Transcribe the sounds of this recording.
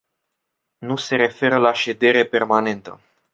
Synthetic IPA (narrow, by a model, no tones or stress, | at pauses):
nuse̞ɾe̞fe̞ɾəlaʃe̞d̪e̞ɾepe̞rmane̞nt̪ə̰